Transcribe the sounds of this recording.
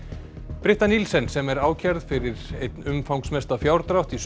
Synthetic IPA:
pɾɪht̪anilsɛnsɛmɛɾaːwcʰaɾðfɪɾɪɾet̪nʏmfawŋksmɛst̪afjaːwɾt̪ɾawht̪is

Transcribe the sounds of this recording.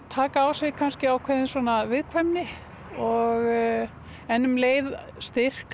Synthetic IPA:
t̪ʰaːkaːwsɪɣkʰanscɪawkʰvɛːðɪnswɔːnavɪðkʰvɛmnɪ | ɔɣ | ɛnːʏmleːjð | st̪ɪr̥k

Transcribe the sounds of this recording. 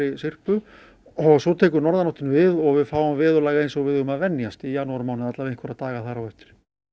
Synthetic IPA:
ɪsɪr̥pʏ | ɔɣsɔt̪ʰɛːk̬ʏɾnɔɾðanawht̪ɪnvɪðɔɣvɪðfaːwamvɪːðʏlajɣaejnsɔɣvɪðʏʏmaðvɛnːjast̪ijanuaɾmaːwnɪðat̪lavejnkʰvɛɾat̪aːɣaθaɾawɛft̪ɪ̥ɾ̥

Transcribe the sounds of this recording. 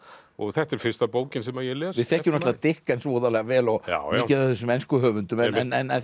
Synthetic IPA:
ɔ̰ɣθɛht̪ɛɾ̥fɪn̥st̪apoːwcɪnsɛmaɾjɛlɛːvɪð̥θɛhcːɪmnast̪avat̪ɪhkaɛjnsvoːwðalɛɣavɛːlɔɣa̰ɪcaðaθɛs̬ːʏmɛnskʏɦœːvʏnt̪ʏmɛnɛnɛ

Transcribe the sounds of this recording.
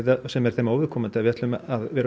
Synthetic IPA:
ðasɛmɛɾ̥θemaːwvɪɾ̥kʰɔːmant̪ɪaðvjɛt̪lʏmaðvɛɾ

